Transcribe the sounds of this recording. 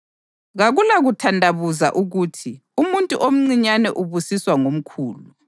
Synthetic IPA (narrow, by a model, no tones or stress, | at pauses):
ɣaɣulaɣutʰandʱaβuza̰ʔuɣuːtʰi | umuntʼṵʔom̩ŋ͡ǀiɲanɛʔuβusiswaŋom̩kʰuːlu